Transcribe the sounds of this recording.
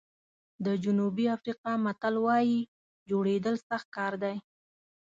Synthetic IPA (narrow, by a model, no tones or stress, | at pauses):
d̪əd͡ʒʊnubiafɾiqɑmat̪alwɑji | d͡ʒoɽed̪əlsaxt̪̚kɑɾd̪aj